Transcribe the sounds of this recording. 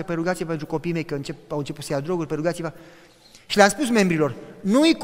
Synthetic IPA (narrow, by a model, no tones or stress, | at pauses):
epeɾuɡat̪sijepent̪ɾuko̞piːme̞jkəɨnt͡ʃepawɨnt͡ʃe̞put̪səjad̪ɾo̞ɡurʲpeɾuɡat̪siva | ʃileamspusme̞mbɾilo̞rnuik